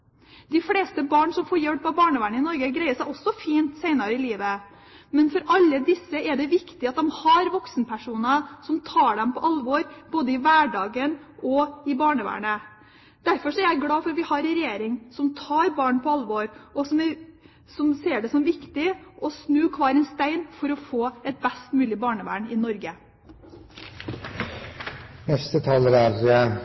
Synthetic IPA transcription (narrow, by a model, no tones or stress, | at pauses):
d̪̥ɪfleːst̪əbɑːɳsɔmfoːɾjɛlpːɑbɑːɳəʋæːɳəɪnɔɾɡəɡɾæɪəsæɪɔsːɔfiːnt̪sæɪnɑɾəɪliːʋə | mɛnfɔɾʔɑlːəd̪ɪsːəɛɖɛʋɪkt̪ɪɑt̪̚d̪ɛmhɑɾʋɔksn̩pʰæʂuːnəsɔmt̪ʰɑːɖɛmpʰɔʔɑlʋɔɾboːd̪əɪʋæːɖɑːɡənɔɪbɑːɳəʋæ̰ːɳə | d̪̥æɾfɔʂɔæɾjæɪɡɽɑːfɔɾɑt̪ʋɪhɑɾɛɾɛjeːɾɪŋsɔmt̪ʰɑːɾbɑːɳpʰɔɑlʋɔɾɔsɔmæɾ | sɔmseːɖɛsɔmʋɪkt̪ɪʔɔsnʉːkʰʋɑːɾɛnst̪æɪnfɔɾɔfoːɛt̪̚bæst̪mʉːlɪbɑːɳəʋæ̰ːɳɪnɔɾɡə | nɛst̪ət̪ʰɑːləɾæɾ